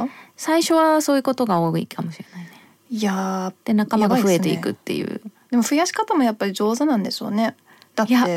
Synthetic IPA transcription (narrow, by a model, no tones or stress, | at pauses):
saiɕo̞βaso̞ːjɯ̟ko̞t̪o̞ɡaoːikʰamo̞ɕiɾe̞nain | jad̪̥e̞nakammaɡaɸɯ̟e̞t̪e̞ḭkɯ̟t̪ːe̞̰jɯ̟̰ːd̪̥e̞mo̞ɸɯ̟jaɕi̥kat̪amo̞japːaɾʲid͡ʑo̞ːzanãnd̪e̞ɕo̰ːne̞ | d̪̥ajae